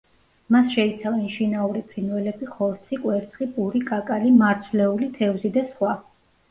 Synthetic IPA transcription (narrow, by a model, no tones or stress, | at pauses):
masʃɛit̪sʰavɛnʃinauɾipʰɾinvɛlɛbiχɔɾt̪sʰikʼwɛɾt̪sʰχipʼuɾikʼakʼalimaɾt̪sʰvlɛulit̪ʰɛvzid̪asχwa